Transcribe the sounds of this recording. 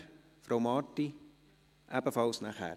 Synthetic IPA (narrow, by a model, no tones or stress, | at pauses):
fɾowmɑːtːi | ʔæbəfɑlˠsnæχæ̰